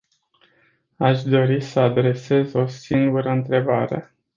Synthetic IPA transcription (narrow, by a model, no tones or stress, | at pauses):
aʃd̪o̞ɾisəad̪ɾe̞se̞zo̞siŋɡuɾəɨnt̪ɾe̞baɾe̞̰